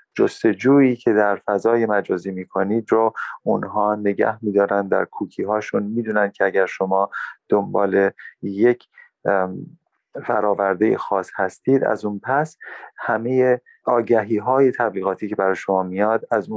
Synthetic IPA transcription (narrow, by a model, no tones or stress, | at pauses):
d͡ʒost̪e̞d͡ʒuːiːcʰe̞d̪æɾfæzɒːje̞mæd͡ʒɒːziːmiːkʰo̞niːd̪ɾoʔunɦɒːne̞ɟæ̰hmiːd̪ɒːɾænd̪d̪æ̰ɾkʰuːcʰiːɦɒːʃunmiːd̪uːnænd̪̥̚cʰeæɟæɾʃo̞mɒːd̪̥o̞mbɒːle̞jecʰ | fæɾɒːvæɾd̪ejḛxɒːshæst̪iːd̪æ̰zunpʰæshæmeje | ɒːɟæɦiːɦɒːje̞t̪ʰæbliːɣɒːt̪ʰiːcʰe̞bæɾɒːjeʃo̞mɒːmijɒːd̪æzu